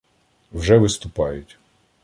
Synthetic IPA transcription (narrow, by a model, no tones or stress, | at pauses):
wʒɛʋɪst̪ʊpɑjʊtʲ